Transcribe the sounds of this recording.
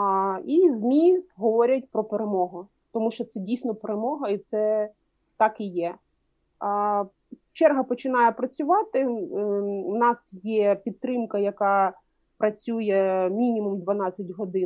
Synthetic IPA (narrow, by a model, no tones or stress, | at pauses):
izmʲiɦɔʋɔɾʲɐt̚ʲpɾɔpeɾemɔɦʊ | t̪ɔmuʃt͡ʃɔt̪sɛdʲijsʲnɔpeɾemɔɦɐit̪sɛ | t̪ɑkijɛ | t͡ʃɛrɦɐpɔt͡ʃɪnɑjɛpɾɐt͡sʲʊʋɑt̪ɪ | nɑsjɛpʲid̪̚t̪ːɾɪmkɐjɐkɑ | pɾɐt͡sʲujɛmʲinʲimumd̪ʋɐnɑt͡sʲːɐtʲɦɔd̪ɪ